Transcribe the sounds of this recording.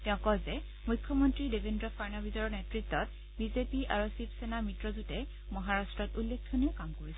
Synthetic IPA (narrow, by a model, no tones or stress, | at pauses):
tɛʊ̃kɔzɛ | mujkʰːɔmɔntɹidebʱendɹɔfʰaɹnabizɔɹɔnetɹitːɔt̚ | bizepiʔaɹusipsenamitɹɔzutɛ | mɔɦaɹastɹɔtulːek̚ʰtʰuniʊkamkoɹisɛ